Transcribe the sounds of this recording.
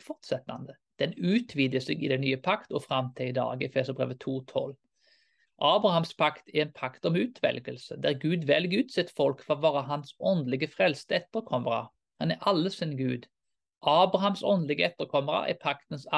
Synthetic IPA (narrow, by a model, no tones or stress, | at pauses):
fɔʁt̪sɛt̪ɑ̰nd̪ə | d̪̥ɛnʉːt̪ʰʋiːd̪jəseːɡɪd̪ɛnyːəpʰɑkt̪ɔfʁɑmt̪ʰɛɪd̪ɑ̰ːɡəɛfeːsəbʁḛːʋət̪ʰuːt̪ʰɔl | ʔɑːbʁɑhɑmspʰɑkt̪ʰɛʁɛnpʰɑkt̪ɔmʉːt̪ʰʋɛ̰lɡəlsəd̪æʁɡʉːd̪ʋɛlɡʉːt̪sɪt̪ːfɔlkfʁɔʋɑːʁəɦɑnsɔnd̪lɪɡəfʁɛlst̪əɛt̪ːəʁkʰɔməʁɑ̰ | hɑnæʔɑlːəsinɡʉːd̪ | ʔɑːbʁɑhɑmsɔnd̪lɪɡəɛt̪ːəʁkʰɔməʁɑ̰æ̰pʰɑkt̪ənsɑ